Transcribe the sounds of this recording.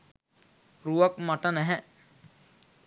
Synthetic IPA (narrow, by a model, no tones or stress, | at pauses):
ɾuʋɐkmaʈənɛɦɛ